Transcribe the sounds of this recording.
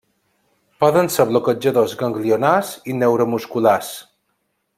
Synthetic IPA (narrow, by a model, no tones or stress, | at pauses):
pɔðənseβlokəd͡ʒəðozɣəŋɡlionasinewɾomuskulas